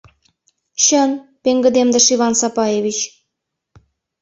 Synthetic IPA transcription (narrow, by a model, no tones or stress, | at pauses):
ɕənpeŋɡə̆d̪emd̪ə̆ʃiβɑnsɑpɑjevʲit͡ɕ